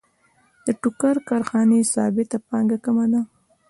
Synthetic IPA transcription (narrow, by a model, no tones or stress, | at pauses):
d̪̥əʈʊkaɾkɑɾxɑnesɑ̰bɪt̪apɑŋɡakamad̪a